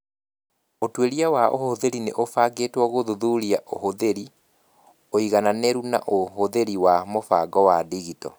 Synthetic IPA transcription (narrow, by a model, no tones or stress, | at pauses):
otweɾiawaʔo̰hoðeɾineʔofaɡeːtwɔɣoðoðuɾiaʔohoðeɾi | oiɣananɛɾuna̰ʔoɦoðeɾiwamofaɡɔwadiɣitɔ̰